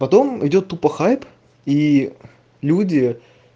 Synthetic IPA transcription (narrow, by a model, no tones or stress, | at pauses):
pɐt̪o̞mɪdʲo̞t̪ːupəxajp | i | lʲudʲɪ